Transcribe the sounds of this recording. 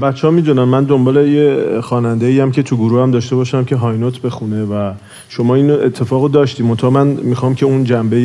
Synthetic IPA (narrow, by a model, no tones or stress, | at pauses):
bæt̪t͡ʃːehɒmiːd̪unæmːænd̪o̞mbɒːle̞jexɒːnænd̪e̞iːjæmcʰe̞t̪ʰuɡuɾuːhæmd̪ɒːʃt̪e̞bɒːʃæmcʰe̞ɦɒjnot̪ʰbe̞xune̞væ | ʃo̞mɒːiːnoʔet̪ʰːe̞fɒːɣod̪ɒːʃt̪iːmo̞nt̪ʰɑhɒmænmixɒmcʰe̞und͡ʒæmbe